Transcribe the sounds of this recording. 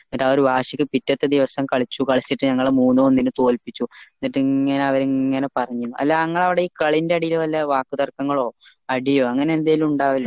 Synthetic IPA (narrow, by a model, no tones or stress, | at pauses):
ɐʈːaːoɾubaːʂikʲːɨpitːɐt̪ːed̪iʋɐsɐmkɐɭit͡ɕːukɐɭit͡ɕːiʈːɨɲɐŋːɐɭemuːnːuonːinɨt̪o̞ːlpit͡ɕːunːiʈːɨːɐne̞ɐʋɐɾiŋːɐne̞pɐrɐɲːinːuʔɐ̰lːaːŋːɐɭɐʋiɽe̞iːkɐɭindeɐɽijilʋɐlːɐʋaːkːɨt̪ɐrkɐŋːɐɭo̞ː | ɐɽijo̞ːɐŋːɐne̞end̪ajilumuɳɖaːʋɐl